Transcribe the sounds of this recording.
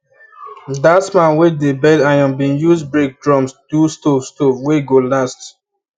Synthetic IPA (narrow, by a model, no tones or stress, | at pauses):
dasmãnwedebɛdajɔ̃mbĩnjuzbɹek̚dɹɔ̃msd̥ustofstovweɡolast